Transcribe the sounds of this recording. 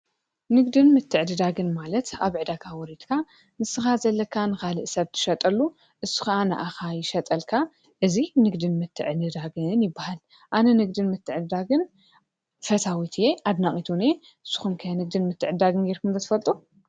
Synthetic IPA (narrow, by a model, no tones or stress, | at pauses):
nɨɡd̪ɨnmɨt̪ʰːɨʕd̪ɨd̪aɡɨnmalɐt̪aβɨʕd̪akʰawɔɾit̪kʰa | nɨsɨxazɐlːɐkʰːanɨxalɨʔsɐβt̪ʰɨ̥ʃɐt̪ʼɐlːu | ʔɨsːɨ̥xɐʔana̰ʔaxajɪʃɐt̪ʼɐlkʰa | ʔɨzinɨɡd̪ɨnmɨt̪ʰːɨʕd̪ɨd̪aɡɨnjɪbːahal | ʔanɐnɨɡd̪ɨnmɨt̪ʰːɨʕɨd̪ɨd̪aɡɨn | fɐt̪ʰawit̪ʰje̞ʔad̪naχʼit̪ʰune | ʔɨsːu̥xumkʰɐjanɨɡd̪ɨnmɨt̪ʰːɨʕɨd̪aɡɨnɡeɾkʰumzɐt̪ʰɨfɐlt̪ʼu